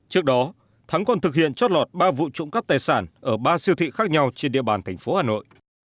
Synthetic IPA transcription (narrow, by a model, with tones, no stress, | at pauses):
t͡ɕɨ˦˥ək̚ɗɔ˨˦ | t̪ʰa˨˦ŋkɔ˨˩nt̪ʰɨ˨˩k̚hḭ˧˨ənt͡ɕɔ˦˥t̚lɔ˨˩t̚ɓaː˧vṵ˧˨t͡ɕʊ̰˧˥ŋ͡mka˦˥p̚t̪aː˨˩jsaː˧˩nʔəː˧˩ɓaː˧si˧əwt̪ʰḭ˧˨xaː˦˥k̚ɲa˧wt͡ɕe˧nɗḭ˧˨əɓaː˨˩nt̪ʰa˧˩jŋ̟fo˨˦haː˨˩no̰˧˨jʔ